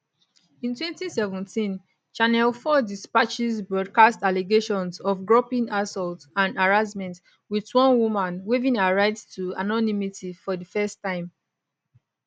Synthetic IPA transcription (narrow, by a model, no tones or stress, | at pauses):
ĩntwɛ̃ntisɛvɛ̃ntĩn | t͡ʃanɛlfɔdispat͡ʃizbɹɔd̚kastaleɡeʃɔ̃nsɔfɡɹɔpĩnasɔltãnaɹasmɛ̃nt | witwɔ̃nwumãnwivĩnaɹaɪdtʰua̰nɔnimitifɔdəfɛstːãɪ̃m